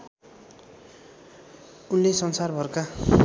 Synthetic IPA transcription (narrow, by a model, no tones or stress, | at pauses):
unlesʌnsarbʱʌrka